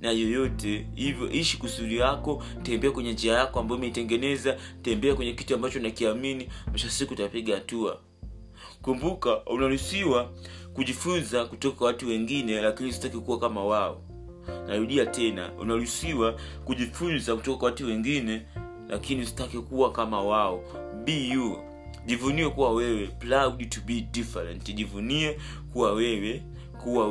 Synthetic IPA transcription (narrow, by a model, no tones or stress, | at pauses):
najɔjɔtɛhivjɔ̰ʔiʃikusulijakɔ | tɛmbɛakwɛɲɛnd͡ʒiajakɔambajɔmɛitɛŋɡɛnɛzatɛmbɛakwɛɲɛkituambat͡ʃɔnakiaminimaʃasikutapiɠahatua̰ | kumbukaunaɾusiwakuʄifunzakutɔkḁkwawatuwɛŋɡinɛlakinisi̥takikuwakamawaɔ̰ | naɾuɗiatɛna̰ṵnaɾusiwa | kuʄifunzaku̥tɔkakwwatuwɛŋɡinɛ | lʔa̰kiniusi̥takikuwakamawaɔ | biju | ʄivuniwɛkuwawɛwɛplauɗtubidifɛɾɛntʄivuniɛ | kuwawɛwɛ | kuwa